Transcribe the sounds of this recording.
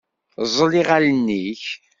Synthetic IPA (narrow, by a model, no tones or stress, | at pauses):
zˤəliʁalənːiç